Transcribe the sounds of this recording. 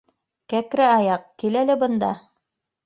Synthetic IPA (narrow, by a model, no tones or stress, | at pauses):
kækɾɘɑjɑq̚kilælɘbɤ̆nd̪ɑ̰